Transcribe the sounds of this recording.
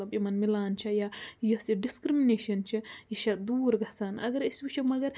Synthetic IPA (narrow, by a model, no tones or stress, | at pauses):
ɐbimɐnmilaːnt͡ʃʰɐjajosiɖiskɾimineʃɐnt͡ʃʰijiʃɐd̪uːɾɡɐsaːnɐ̰ɡɐɾisbit͡ʃʰɐmɐɡɐɾ